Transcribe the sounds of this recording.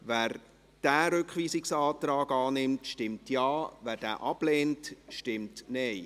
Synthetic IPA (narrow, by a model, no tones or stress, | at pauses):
væːɾ | d̥æːɾʏkχʋiːsɪksɑːtɾɑːɡɑːnɪmtʃtɪmtjɑːvæːɾd̥æ̰ːʔɑb̥leːntʃtɪmtnɛɪ